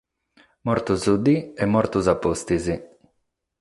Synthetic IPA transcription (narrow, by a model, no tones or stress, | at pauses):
mɔɾt̪uzud̪iɛmːɔɾt̪uzapːost̪izi